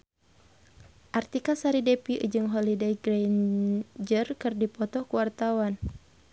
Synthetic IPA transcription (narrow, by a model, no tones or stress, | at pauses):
ʔart̪ikasaɾidepiʔɨ̰d͡ʒɨŋɦɔlidejɡɾand͡ʒərkɨrdipɔt̪ɔkuwart̪awan